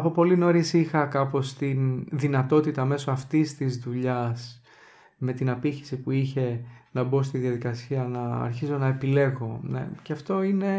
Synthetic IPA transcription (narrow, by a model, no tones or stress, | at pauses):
ɐpo̞po̞lino̞ɾisixɐkɐpo̞st̪inðinɐt̪o̞t̪it̪ɐme̞so̞ɐft̪ist̪izðuʎɐs | me̞t̪inɐpiçi̥sipuiçe̞nɐbo̞st̪iðiɐðikɐsiɐnɐ̰ːɾçizo̞nɐe̞pile̞ɣo̞nḛceɐft̪o̞ine̞